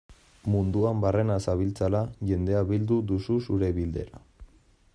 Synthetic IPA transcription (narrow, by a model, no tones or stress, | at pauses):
mund̪uambare̞nasaβilt͡salaʝe̞nd̪e̞aβild̪uðususuɾeβild̪e̞̰ɾa